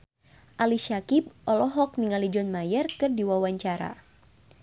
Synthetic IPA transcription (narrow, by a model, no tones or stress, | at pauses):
ʔaliʃakip̚ʔɔlɔɦɔk̚niŋalid͡ʒɔnmajərkɨrdiwawaɲt͡ʃaɾa̰